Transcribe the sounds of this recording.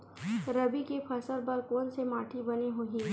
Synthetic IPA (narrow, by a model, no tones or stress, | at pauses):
ɾɐbikepʰɐsəɾbɐɾkoːnsemaːʈʰibɐneɦoːɦi